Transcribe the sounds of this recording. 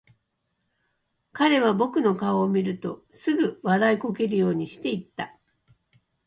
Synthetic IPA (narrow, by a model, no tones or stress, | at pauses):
kaɾe̞β̞abo̞kɯ̟no̞kaoːmʲiɾɯ̟t̪o̞ | sɨɡɯ̟βaɾaiko̞ke̞ɾɯ̟jo̞ːɲ̟iɕi̥t̪e̞it̪ːa